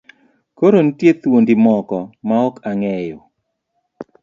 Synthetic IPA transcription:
koɾontjet̪wondimɔkɔmaɔkaŋɛjo

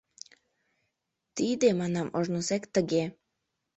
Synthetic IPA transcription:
t̪id̪emɑnɑmʔoʒnosekt̪əɣe

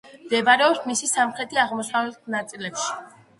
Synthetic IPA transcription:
md̪ɛvaɾɛɔpsmisisamχɾɛt̪ʰʼiaʁmɔsavɛlt̪ʰnat̪sʼilɛpʃi̥

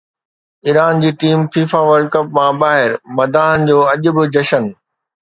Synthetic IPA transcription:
iːɾaːnd͡ʑiːʈiːmfiːfaʋɐɾɖkɐpmãbaːɦɪɾmɐd̪aːɦənɪ̆d͡ʑoːɐʄʊ̆bɪd͡ʑɐʃən

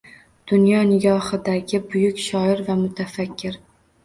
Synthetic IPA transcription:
d̪̥ʊnjɒnɪɡʲɒhɨd̪aɡʲɪbʊjʊkʲʃɒɪɾvamʊt̪ʰafakʲʰːɪɾ

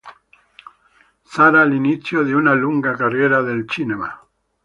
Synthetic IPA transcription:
saɾaliniθjoðeunaluŋɡakarjeɾaðelt͡ʃinema̰

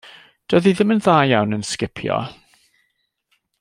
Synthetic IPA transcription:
d̥əðiðɪmənðaːjawnənskɪpʰjɔ̰

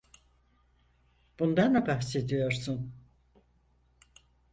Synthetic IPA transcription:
b̥und̪and̪abahse̞d̪ijo̞ɾsun

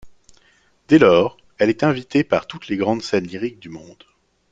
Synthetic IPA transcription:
d̪ɛlɔːʁ | ɛlɛt̪ɛ̃vit̪epaʁt̪ut̪leɡʁɑ̃d̪sɛnliʁik̚d̪ymɔ̃d̪

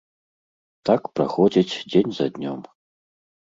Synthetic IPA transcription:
t̪akpɾa̰xɔd͡zʲit͡sʲd͡zʲenʲzɐd̪ʲnʲɔm

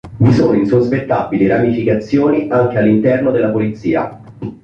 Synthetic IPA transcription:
visoːnoinsospet̪ːabiliɾamifikat̪sːjoːniʔaŋk̟ealːint̪ɛrnod̪elːapolit̪sːḭːa̰

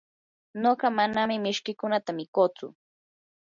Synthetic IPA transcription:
noɢɑmanamɪmɪʃkɪkʊnat̪amɪkoːt͡sʊ̰

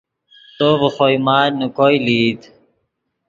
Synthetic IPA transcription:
t̪oːvəxojmaːnukoiliːd̪

